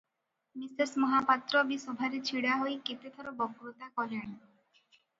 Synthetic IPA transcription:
misesmɔɦapat̪ɾɔbisɔbʱaɾet͡ʃʰiɽaɦojket̪et̪ʰɔɾɔbɔkɾot̪akɔɦaɽ̃i

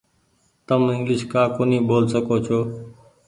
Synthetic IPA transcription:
t̪əmɪŋɡlɪʃkaːkoːniːboːlsəkoːt͡ʃʰoː

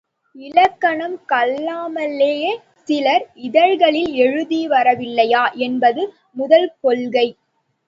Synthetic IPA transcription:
ɪɻɐkːɐɳɐmkɐlːaːmɐlːeː | sɪlɐɾɪðɐɻɣɐɭɪlɛɻɯðiʋɐɾɐʋɪlːɐjaːʔɛnbɐðɯ | mʊðɐlpɔlɣɐɪ

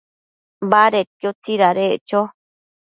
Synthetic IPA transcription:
baɾet̪kjot͡siɾaɾet͡ʃo

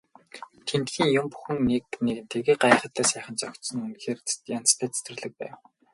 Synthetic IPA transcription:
t̪ʰent̪xiːŋjʊmpu̥xɘ̆ŋnekneɣɘ̆nt̪ʰeɣeːɢajχə̆t̪ʰːæːsæːχə̆nt͡sɔkt̪sɞ̆ŋunxeːrjant͡st̪ʰæːt͡sʰi̥t̪rɘ̆ɮɘ̆k̚pæ̰ːw

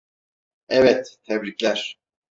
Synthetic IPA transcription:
ɛvɛt̪t̪ʰːɛblʲiclʲæɾ̥

